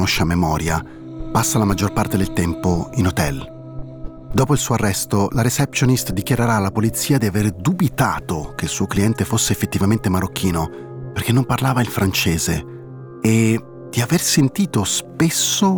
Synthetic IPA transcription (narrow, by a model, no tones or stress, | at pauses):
noʃːamemɔːɾja | pasːalamad͡ʒːorpart̪ed̪elt̪ɛmpoinot̪ɛl | d̪ɔːpoilsuːarːɛst̪olaɾet͡ʃɛpsjonist̪d̪ik̟jaɾeɾaːlapolit̪sːiːad̪iaverd̪ubit̪aːt̪ok̟eilsuːokliɛnt̪efosːeːfːet̪ːivament̪emaɾok̟ːiːno | perk̟enːomparlaːvailfɾant͡ʃeːzeː | d̪̥iaversent̪iːt̪ospesːo